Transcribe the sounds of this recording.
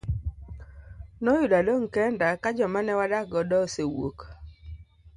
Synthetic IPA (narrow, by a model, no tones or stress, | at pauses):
nɔjʊdaloŋkɛndakad͡ʒɔmanɛwadaɡɔdɔsewo̰k